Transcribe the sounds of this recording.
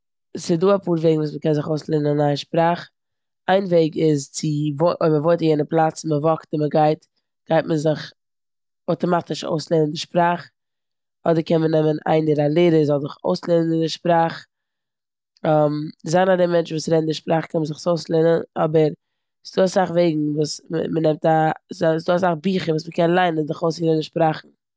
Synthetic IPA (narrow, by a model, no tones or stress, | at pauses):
sɪduːapuːɾveɪɡŋvuːsməkɛnzɪχoʊsleːnənnaəʃpɾaːχ | aɪnveɪɡɪzt͡sɪvoʔoɪməvoɪtajɛnəplˠat͡sməvɔktɪməɡaɪt | ɡ̥aɪt̚mənzɪχ | oʊtɔmatɪʃo̰ʊslˠenəndɪʃpɾaːχ | ɔdəɾkɛnmənɛməna̰ɪndɪɾalˠeɪɾəzɔlˠzɪχo̰ʊslenənɪndɪʃpɾaːχ | amzanadɛmɛnt͡ʃ̩vuːsɾɛdn̩dɪʃpɾaːχkʰɛnməzɪχsoʊslˠenənɔbəɾ | sduːasaχveɪɡŋ̩vuːsm̰mənɛmtasasduːasaχbiːχəvuːsməkɛnlˠaɪnənzɪχoʊsɛnəndɪʃpɾaːχn̩